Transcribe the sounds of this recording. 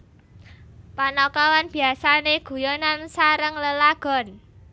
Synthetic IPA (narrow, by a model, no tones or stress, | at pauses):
panɔkɔwanb̥i̤asaneɡ̥ṳjonansaɾəŋləlaɡ̥ɔ̤n